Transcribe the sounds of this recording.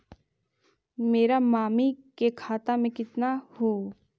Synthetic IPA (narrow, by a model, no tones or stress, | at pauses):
meːɾamaːmikekʰaːt̪amẽkɪt̪nahoː